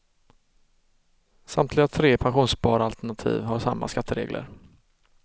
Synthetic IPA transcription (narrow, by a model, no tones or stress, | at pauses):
samt̪ʰlɪɡat̪ʰɾeːpʰanɧuːnsbɑːɾalt̪ɛɳat̪ʰḭːvɦaʂamːa̰skat̪ʰːəɾḛːɡlʔə̰ɾ